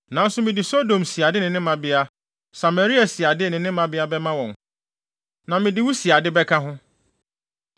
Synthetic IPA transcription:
nã˨n̩˦sʊ˦mɪ̃˨dɪ˨so˦dõ˨msi˨a˨dɪ˦nɪ̃˨nɪ̃˦mã˨bɪ˦a˦ | sa˨me˨ɾi˦a˨si˨a˨dɪ˦˨nɪ̃˨nɪ̃˦mã˦bɪ˦a˦bɛ˦mã˦wɔ̃˨n | nã˨mɪ̃˨dɪ˨˦wu˦si˨a˨dɪ˦bɛ˦kʰã˦ɦʊ̃˦

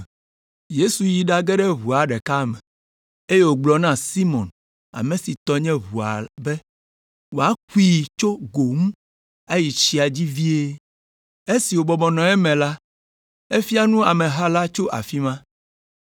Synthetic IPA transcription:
je˦su˨ji˨ɖa˦ɡɛ˦ɖɛ˦βu˨a˨ɖɛ˨ka˦mɛ̃˨ | e˦je˦wo˨ɡ͡blɔ˨nã˦si˦mɔ̃˨n | a̰˨mẽ˨si˨t̪ɔ˦ɲɛ̃˦βu˨a̰˨bɛ˦ | wo˨a˦k̚u˦i˦˨t͡ʃo˦ɡo˨mũ˦ | a˦ji˨t͡ɕi˦a˨d͡ʑi˦vi˦e˦ | e˦si˨wo˨bɔ˨bɔ˨nɔ̃˨ɛ˦mɛ̃˨la˦ | e˦fi˦a˦nũ˦a˨mɛ̃˨ɦa˦la˦t͡ʃo˦ʔa̰˨fi˦mã˦

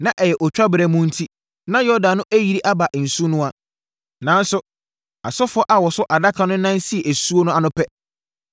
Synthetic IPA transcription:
nã˨ʔɛ˨jɛ˨ʔɔ˨t͡ɕᶣɾa˦bɪ˨ɾɛ˨mũ˦n̩˦tʰi˦ | nã˦jɔ˦dã˨nːʊ̃˦ʔæ˦ji˨ɾi˦ʔa˦ba˨ʔn̩˨su˦nʊ̃˦a˦ | nã˨n˦sʊ˦ | a˨sɔ˦fʊ˦ɔ˦ʔa˨wɔ˨sʊ˦ʔa˨da˦kʰã˦nʊ̃˦nã˦n˦si˦ɛ˨ʔæ˨su˦o˦nʊ̃˦a˨nʊ̃˦pʰɛ˦

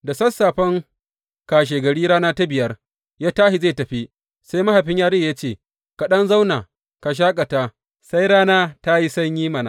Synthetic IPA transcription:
da˨sɐ˦sːaː˨ɸɐ˦ŋ | kaː˨ʃ̬eː˨ɡɐ˨ɽiː˦ɽaː˦naː˦ta˦bɪ˨jɐ˦r | jaː˦taː˦hi˨zeː˦˨tɐ˨ɸi˦ | sa˦jma˦ha˨ɸɪ˦ɲjaː˦ɽeː˦˨ja˦t͡ʃeː˦˨ | ka˨ɗɐ˦nza˦wnaː˨ | ka˨ʃ̬aː˦kʼa˨ta˦ | sa˦jɽaː˦naː˦ta˦ji˦sɐ˦ɲjiː˦mɐ˨na̰˨

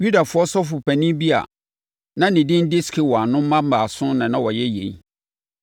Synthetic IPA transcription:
ju˦da˨fʊ˨˦ɔ˦sɔ˦fʊ˨pʰæ˨nĩ˦bi˦a̰˨ | nã˦nɪ̃˨dɪ̃˦n˦dɪ˦skʰɪ˦wɔ˨a˨nʊ̃˦m˦mã˦m̩˦baː˨sʊ̃˦nã˨nã˦wɔ˨jɛ˦jḛ̃˨i˦

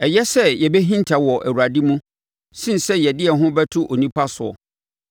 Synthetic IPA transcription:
ɛ˨jɛ˦sɛ˦jɛ˨bɛ˦ɦĩ˦ntʰa˨wɔ˨ʔæ̰˨wu˨ɾa˨di˦mũ˦ | sĩ˦nsɛ˦jɛ˨dɪ˦ɛ˨ɦʊ̃˦bɛ˦tʰʊ˦ʔo˨nĩ˦pʰa˦sʊ˨ɔ̰˨

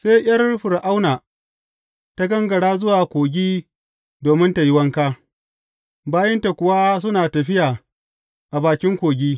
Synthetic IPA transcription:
seː˦j̰ɐ˦rɸʊ˨ɾʔa˦wnaː˨ | ta˦ɡɐ˦ŋɡɐ˨ɽaː˦zʊ˦waː˨kʷoː˨ɡʲiː˦ | doː˨mɪ˦nta˨ji˦wɐ˦ŋkaː˦ | baː˦jɐ˦nta˨kʷʊ˨wa˦s̬ʊ˦naː˨tɐ˨ɸɪ˦jaː˨ | ʔa˨baː˨kʲɪ˦ŋkʷoː˨ɡʲiː˦

